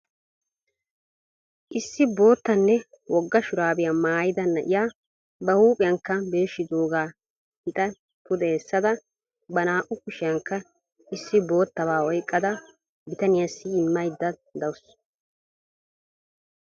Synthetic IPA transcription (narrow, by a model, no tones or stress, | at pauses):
ʔɪsːɪbo̞ːt̪ːɐnːɛ | wɔɡːɐʃʊɾaːbɪjamaːjɪd̪ɐnɐ̰ʔɪ̰jaː | bɐhuːpʼɪjɐŋkːɐbe̞ːʃːɪd̪oːɡaː | hɪt̪ʼɐ | p̪ʊd̪ɛːsːɐd̪ɐ | bɐnaːʔʊkʊʃɪjɐŋkːɐ | ʔɪsːɪbo̞ːt̪ːɐβaːwɔjkʼːɐd̪ɐ | bɪt̪ɐnɪjɐsːɪɪmːɐjd̪ːɐd̪ɐwʊs